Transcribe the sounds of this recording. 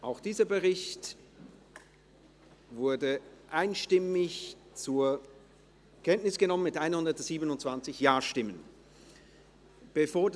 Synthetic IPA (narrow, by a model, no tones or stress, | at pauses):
ʔaʊxd̥iːzɐbəʁɪçt | vʊɐdəʔaɪnʃtɪmɪçt͡suːɐ | kʰɛntnɪsɡ̥ənɔmənmɪtʔaɪnhʊndɐtz̥iːbənʊntt͡sv̥ant͡sɪçjaːɐʃtɪmən | b̥əfoːɐd